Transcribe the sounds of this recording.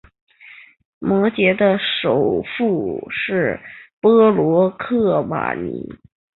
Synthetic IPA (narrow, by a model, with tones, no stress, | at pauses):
mwɔ˧˥t͡ɕjɛ˧˥d̪ə˧ʂo˨˩ʊfu˥˩ʂɻ̩˥˩pɤ˥lwɔ˧˥kʰɤ˥˩ma̰˨˩nḭ˧˥